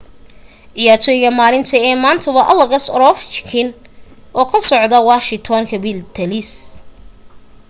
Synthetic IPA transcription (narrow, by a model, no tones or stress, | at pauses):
ʕɪjaːrt̪ʰɔːjɪɣɐmaːlɪnt̪ʰɐɛːmaːnt̪ʰɐβɐʔɐlɐɣɐsɾɔft͡ʃkʰɪn | ʔɔːkʰɐsɔʕd̪ɐwaːʃɪŋt̪ʰɔŋkʰɐbɪlt̪ʰɐlɪs